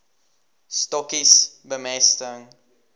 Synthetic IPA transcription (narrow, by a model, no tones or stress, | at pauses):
stɔkisbəmɛstəŋ